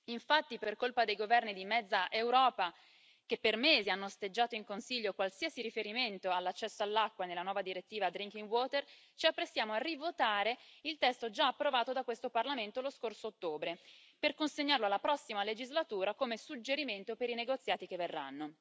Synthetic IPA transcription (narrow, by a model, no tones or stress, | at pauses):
iɱfat̪ːiperkolpad̪ejɡovɛrnid̪imɛd̪zːaʔewɾɔːpa | k̟epːermeːzianːost̪ed͡ʒːaːt̪oiŋkonsiʎːokwalsiasiɾifeɾiment̪oalːat͡ʃːɛsːoalːakːwanelːanwɔːvad̪iɾet̪ːiːvad̪ɾiŋkiŋɡwɔːt̪ert͡ʃiapːɾesːjaːmoarivot̪aːɾeilt̪ɛst̪od͡ʒaːpːɾovaːt̪od̪akwest̪oparlament̪oloskorsoːt̪ːoːbɾe | perkonseɲːarloalːapɾɔsːimaled͡ʒizlat̪uːɾakomesud͡ʒːeɾiment̪opeɾineɡot̪sːjaːt̪ikeverːa̰nːo